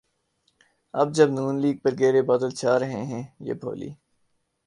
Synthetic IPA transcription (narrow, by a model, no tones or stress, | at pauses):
ɐ̰b̚d͡ʒəbnuːnliːɡ̚pɐɾɡeːɾebaːd̪əlt͡ʃʰaːɾɐɦẽɦɛ̃ːjḛːbʱo̰ːlḭː